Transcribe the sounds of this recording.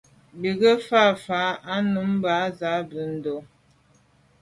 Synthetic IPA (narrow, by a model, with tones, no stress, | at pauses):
bi˨ɡə˦fa˦˨fa˨˦a˦nu˨˦m˦ba˨˦za˨˦bə˨˦n̩˦do˦